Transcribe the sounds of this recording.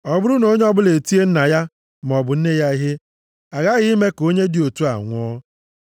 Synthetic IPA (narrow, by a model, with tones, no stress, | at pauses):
ɔ˨bʊ˦ɾʊ˦no˦ɲe˦ɔ˦bʊ˦le˨ti˦e˦n̩˦na˨ja˦ | m˨ɔ˨bʊ˨n̩˦ne˦ja˦i˦ɦe˦ | a˨ɣa˦ɣɪ˦i˦me˦ko˦ɲe˦dɪ˨o˨tu˦a̰˨ŋʷ˦ɔ˦